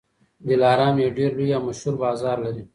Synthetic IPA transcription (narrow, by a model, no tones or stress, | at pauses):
d̪ɪlɑːɾɑːmjeɖeɾlujawmaʃhuɾbɑːzɑːɾlaɾi